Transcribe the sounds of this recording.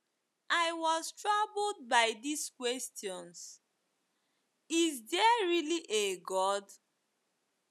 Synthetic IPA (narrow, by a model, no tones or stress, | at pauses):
ʔaɪwɔztɹabld̚baɪdiskwɛstjɔ̃ns | izdɛɹiliʔeɡɔd